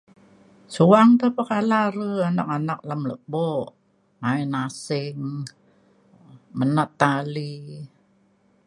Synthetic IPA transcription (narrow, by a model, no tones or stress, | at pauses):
suaŋt̪əhpəkalaɾəanak̚anak̚lamləʔboʔ | maɛnasɪŋ | mənaʔt̪ːali